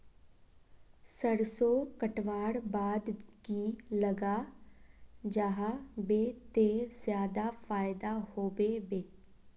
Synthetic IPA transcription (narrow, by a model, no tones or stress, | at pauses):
səɾsoːkəʈʋaːɽbaːd̪ɡiːləɡaː | d͡ʒaːɦabeːt̪eːzjaːd̪aːfʰaːɪd̪aːhoːʋeːʋeː